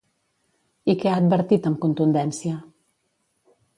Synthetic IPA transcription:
ikɛaːd̪̚bəɾt̪it̪əmkunt̪und̪ɛnsiə

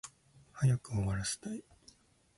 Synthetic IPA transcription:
hajakɯ̟oβaɾase̥t̪ai

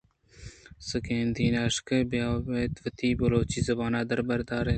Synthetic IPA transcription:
səkẽːnd̪iːnaːʃkɐbjaːbeːt̪ʋət̪iːbɐloːt͡ʃiːzɐbaːnaːd̪əɾbəɾd̪aːɾeː

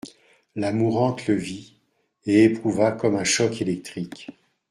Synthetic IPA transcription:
lamuʁɑ̃t̪ləvi | eːpχuvakɔmɛ̃ʃɔkelɛk̚t̪χik

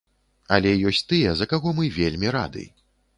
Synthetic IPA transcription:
ɐlʲɛjɔsʲt͡sʲt̪ɨjɛzɐkaɣɔmɨvʲelʲmʲiɾa̰d̪ɨ̰j

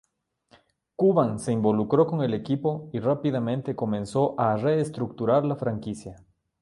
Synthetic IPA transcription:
kuβaŋse̞imbo̞lukɾo̞ko̞ŋe̞le̞kipo̞irapiðamẽnt̪e̞ko̞mẽ̞nso̞ʔare̞ːst̪ɾuk̚t̪uɾaɾlafɾaŋkisja

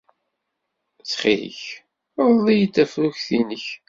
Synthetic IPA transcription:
t͡sːχḭə̰ç | ðˤðˤijət̪ːæfɾuçθinəç

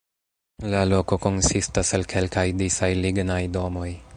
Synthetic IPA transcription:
lalo̞ko̞ko̞nsistasalkʰe̞lkajdisajliɡnajdo̞mo̞j

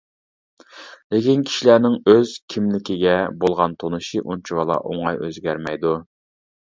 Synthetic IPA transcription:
lɪkʲinkʲʰi̥ʃilænɪŋøz̥kʲʰimlɪkʲɪɡʲɛbolˠʁɑnt̪ʰonuʃiʔunt͡ʃʰuwɑlˠɑ̰ʔo̰ŋɑjøzɡʲæɾmɛjd̪u

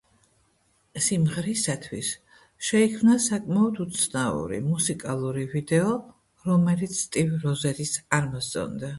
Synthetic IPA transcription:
simʁɾisat̪ʰwis | ʃɛikʰmnasakʼmaɔd̪ut̪sʰnaṵɾḭmusikʼalˠuɾivid̪ɛɔ | ɾɔmɛlit̪sʰt̪ʼivɾɔzɛɾisaɾmɔst̪ʼɔ̰nd̪a

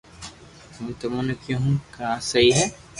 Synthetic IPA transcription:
mɛ̃ːt̪ʊmõnekjõɦũkãːsɐɦiɦɛː

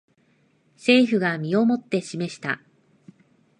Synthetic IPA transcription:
se̞ːɸɯ̟ɡamʲio̞mo̞t̪ːe̞ɕime̞ɕi̥t̪a̰

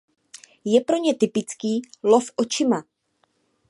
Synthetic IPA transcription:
jɛpɾo̞ɲɛt̪ɪpɪt͡skiːlo̞fʔo̞t͡ʃɪma

